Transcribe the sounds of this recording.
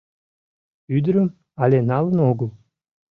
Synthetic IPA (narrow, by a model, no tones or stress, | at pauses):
yd̪ɾəm | ɑlʲenɑlˠə̆noɡəlˠ